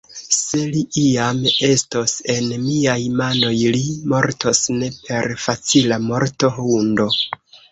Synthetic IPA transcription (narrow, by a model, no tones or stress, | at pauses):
se̞liʔiame̞stose̞nmiajmano̞jlimo̞ɾtosne̞pʰe̞ɾfat͡silamo̞ɾto̞hundo̞